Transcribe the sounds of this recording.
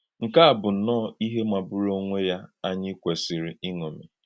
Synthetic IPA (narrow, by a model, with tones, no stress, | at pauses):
ŋ̩˨ka˦a˨bʊ˨n̩˨˦nɔː˦˨i˦ɦe˦ma˨bʊ˦ɾo˦ŋʷe˦ja˦a˦ɲɪ˦kʷe˨sɪ˨ɾi˨i˦ŋo˨mḭ˨